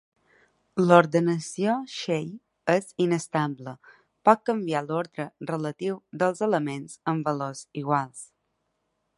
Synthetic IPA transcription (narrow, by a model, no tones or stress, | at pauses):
loɾðənəsioʃej | əzinəst̪ablə | pɔt̪̚kəmbialoɾðɾərələt̪iwd̪əlˠzələmenzəmbəloziɣ̞walˠs